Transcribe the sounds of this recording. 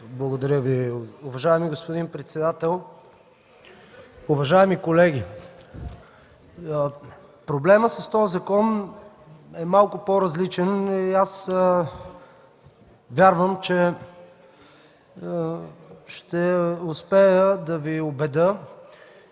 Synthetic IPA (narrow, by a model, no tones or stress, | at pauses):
blˠɐɡod̪ɐɾʲjəviʊvɐʒaɛmiɡospod̪inpɾɛt̪sɛd̪at̪ɛlˠ | ʊvɐʒaɛmikolɛɡʲi | pɾoblɛməsɐst̪ɔjzɐkɔm | ɛmalˠkʊpoɾɐzlit͡ʃɛnias | vʲjaɾvəmt͡ʃɛ | ʃt̪ɛʊspɛjəd̪ɐviobɛd̪ə